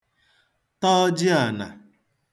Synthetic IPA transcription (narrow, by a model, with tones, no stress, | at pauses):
tɔ˦d͡ʒɪ˦a˨na̰˨